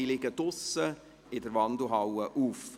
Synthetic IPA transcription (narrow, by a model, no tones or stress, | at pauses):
ɪlɪɡəd̥ʊsə | ɪdəɾvɑndəɦawəʔuːf